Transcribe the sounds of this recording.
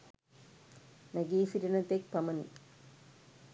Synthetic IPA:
nɐɡiːfiɾinɐt̪ːek̚pɐmɐn

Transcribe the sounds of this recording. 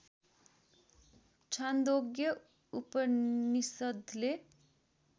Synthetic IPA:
t͡sʰand̪oɡjʌ | upʌnisʌd̪ʱle

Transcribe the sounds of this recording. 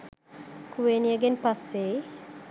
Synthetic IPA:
kuʋenijəɡenpasːe

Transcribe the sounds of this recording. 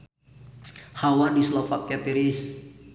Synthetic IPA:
hawadislɔfak̚at̪iɾis

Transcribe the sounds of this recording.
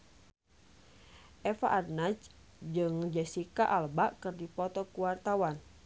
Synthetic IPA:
ʔɛfaʔarnat͡ʃ | d͡ʒɨŋd͡ʒɛsikaʔalbaʔkɨrdipɔt̪ɔkuwart̪awan

